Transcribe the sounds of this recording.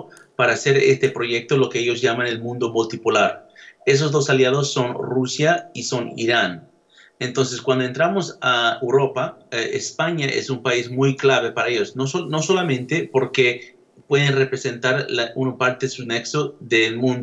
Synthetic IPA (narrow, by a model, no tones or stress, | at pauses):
paɾaːse̞ɾḛst̪epɾoʝe̞k̚t̪olo̞keeʝo̞zʝamane̞lmũnd̪omolt̪ipolaɾe̞s̬o̞zðo̞saljað̞o̞sːo̞nrusjaiso̞nḭɾan | ent̪o̞ns̬e̞skwand̪oent̪ɾamosaewɾo̞paḛspaɲaʔḛsumpaizmujklaβe̞paɾaeʝosnoono̞so̞lamẽ̞nt̪e̞po̞ɾke | pwe̞ðenrepɾese̞nt̪aɾlaunpaɾt̪esuneksoðelmũnd̪